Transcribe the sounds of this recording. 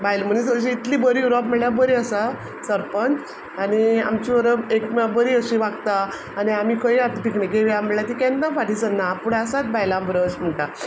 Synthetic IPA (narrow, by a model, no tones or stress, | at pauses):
bajlm̤ənisəɕiːt̪liːbəɾijuɾɔpməɭjabəɾiːəsa | səɾpənt͡s | ania̰mt͡ɕiʋəɾəekmabəɾiːəɕiʋaɡt̪a | aniam̤ikʰəiat̪pikɳẽkeʋjam̤əɭjat̪ikɛ̃nd̪ãfʰaʈiːt͡sənːapuɽaəsat̪̚bajlãbəɾəsm̤əɳt̪a